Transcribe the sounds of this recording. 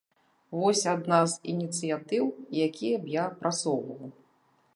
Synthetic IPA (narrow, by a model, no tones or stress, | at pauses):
vɔsʲad̪nazinʲit̪sɨjat̪ɨwjakʲʰijɐbjapɾʔat̪sɔwvɐlˠ